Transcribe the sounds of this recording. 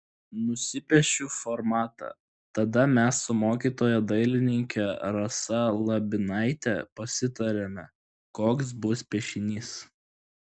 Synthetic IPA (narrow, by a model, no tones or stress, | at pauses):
nʊsʲɪpʲɛʃʲuːfɔɾmɑːt̪ɑ̰ | t̪ɐd̪ɐmʲɛsːʊmoːkʲiːt̪oːjɛd̪ɐɪlʲɪnʲɪŋʲkʲɛɾɐsɐlˠɐbʲɪnɐɪt̪ʲɛ̰pɐsʲɪt̪ɐɾʲemʲɛ | koːks̬bʊspʲɛʃʲɪnʲiːs